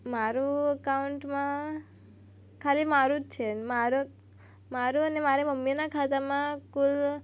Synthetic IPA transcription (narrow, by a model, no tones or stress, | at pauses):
maɾuəkauɳʈmã | kʰalimaɾut͡ʃʰenmaɾ | maɾuənemaɾeməmːinakʰat̪amãkul